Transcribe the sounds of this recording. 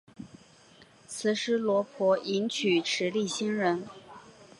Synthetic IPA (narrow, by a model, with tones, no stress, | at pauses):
t͡sʰɹ̩˨˩ʂɻ̩˥lwɔ˧˥pʰɔ˧˥ʔi˧˥nt͡ɕʰy˨˩ʈ͡ʂʰɻ̩˧˥li˥˩ɕi˥nɻə˧˥n